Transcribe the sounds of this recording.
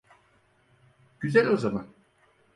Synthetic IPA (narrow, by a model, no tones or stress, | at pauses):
ɟ̥yzɛlʲozaman